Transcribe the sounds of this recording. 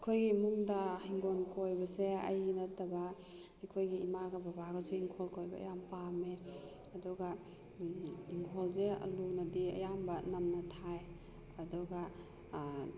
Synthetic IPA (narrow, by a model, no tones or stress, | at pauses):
kʰojɡimuŋdahiŋɡonkojbɐseɐ̰jnɐtɐba | ijkʰojɡiimaɡɐbɐbaɡazeiŋkʰɔlkojba̰ɐ̰jampame | ɐduɡa | iŋkʰoɔlzeɐ̰lunɐdiɐ̰jambɐnɐmnɐtʰaj | ɐduɡa